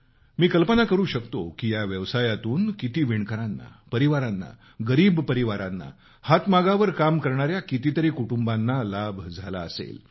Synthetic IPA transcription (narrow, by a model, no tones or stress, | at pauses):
miːkəlpənakəɾuːɕəkt̪okijaʋjəʋsajat̪uːnkit̪iːʋiɳkəɾanːa̰pəɾiʋaɾanːa̰ | ɡəɾiːbpəɾiʋaɾanːa̰ | hat̪maɡaʋəɾkamkəɾɳaɾjakit̪iːt̪əɾiːkuʈumbanːalabʱd͡zʱala̰əsḛl